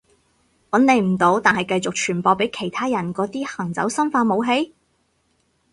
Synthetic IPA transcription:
wɔː˨˥nːe˨˧jm̩˨˩t̪o˨˥wt̪aː˨nhɐ˨˩jkɐ˧jt͡sʊ˨k̚t͡ʃʰyː˨˩npɔː˧pe˨˥jkʰe˨˩jt̪ʰaː˥jɐ˨˩nkɔː˨˥t̪iː˥hɐ˨˩ŋt͡sɐ̰˨˥wsɐ˥nfaː˧mo˨˧wɦe˧˥j

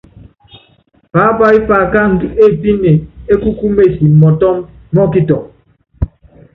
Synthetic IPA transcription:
paː˨˦ba˦i˦paː˨ka˦n̩˨du˦e˦˨pi˦ne˨e˦ku˦ku˦me˦˨si˨m̩˨mɔ˨tɔ˦mː˦ | ɔ˦ki˦tɔ˨

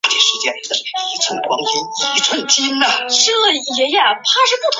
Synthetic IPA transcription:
t̪ʰjɛ˨˩nʂɻ̩˧˥t͡ɕjɛ˥n˧˩˥ʂi˨˧˥t͡sʰə˧˥nə˧˩kwɑ˥ŋt͡ɕi˧˥ni˧˥t͡sʰwə˥˩nt͡ɕi˥na˧ʂɤ˥˩˧jɛ˧˥jɛ˨˩pʰa˥ʂɻ̩˥˧pu˥˩t̪ʰ

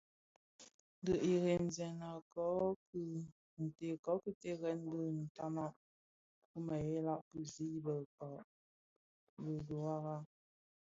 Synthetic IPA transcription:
n˦də˨ʔi˨ɣe˨n˨zɛ˨na˨kɔ˨˦kɨ˦ | n̩˨te˨kɔ˨˦kɨ˦te˦ɣɛ˨˦n˦də˦˨n̩˨ta˦ma˦˨ʔ | kə˦ma˨je˨˦la˦˨ʔpə˦zi˦i˦bə˨kɔ˨ʔ | bə˨du˨a˦ɣa˦

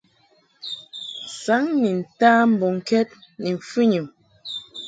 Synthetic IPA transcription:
sa˨˦ŋni˨n̩˨taː˦m̩˨bɔ˨ŋ̩˨kɛ˦t̚ni˨ɱ˨fʉ˦ɲu˨m

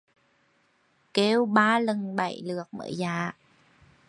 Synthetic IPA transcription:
ke˧wɓaː˧lə˨˩nɓa̰˧˩jlɨ˨˩ək̚mə̰ː˧˩jzaː˧˩˨

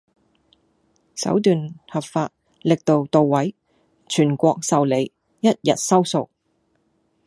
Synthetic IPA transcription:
sɐ̰˨˥wt̪̬yː˨nhɐ˨p̚faː˧t̚ | lɪ˨k̚t̪o˨wt̪o˨wːɐ˨˥j | t͡ʃʰyː˨˩nkʷɔː˧k̚sɐ˨wle˨˧j | jɐ˥t̚jɐ̰˨t̚sɐ˥wso˨w

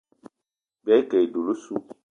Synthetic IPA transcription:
bɛ˦kɛ˨i˨do˨lo˦su˦

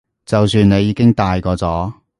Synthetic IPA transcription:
t͡sɐ˨wsyː˧ne˨˧jiː˧kɪ˥ŋt̪aː˨jkɔː˧t͡sɔː˨˥

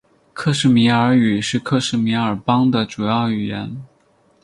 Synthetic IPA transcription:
kʰɤ˥˧ʂɻ̩˥˩mi˧˥ə˞˧˥y˨˩ʂɻ̩˥˧kʰɤ˥˧ʂɻ̩˥˩mi˧˥ə˞˨˩pɑ˥ŋd̪ə˨ʈ͡ʂu˨˩jɑ˥˩ʊy˨˩jɛ˧˥n

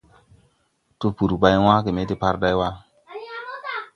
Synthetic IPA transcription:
tu˦pu˨ɾba˦jwã˦ke˨me˨˦ti˦pa˦ɾda˦jwa˦

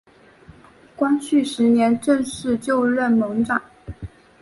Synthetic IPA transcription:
kwa˥nt͡ɕʰy˥˩ʂɻ̩˧˥njɛ˧˥nʈ͡ʂɤ˥˧ŋʂɻ̩˥˧t͡ɕjo˥˧ʊɻɛ˥˩nmɤ˧˥ŋʈ͡ʂa˨˩˦n

